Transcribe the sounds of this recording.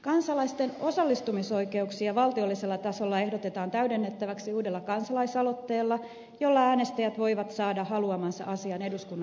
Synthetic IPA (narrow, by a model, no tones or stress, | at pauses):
kɑnsɑlɑist̪enosɑlːist̪umiso̞ike̞uksiɑʋɑlt̪io̞lːiselːɑt̪ɑsolːɑe̞hdot̪et̪ɑːnt̪æydenːet̪ːæʋæksiuːde̞lːɑkɑnsɑlɑisɑlot̪ːeːlːɑ | jo̞lːɑæːnest̪æjæt̪ʋo̞iʋɑt̪sɑːdɑhɑluɑmɑnsɑ̰ʔɑsiɑneduskunː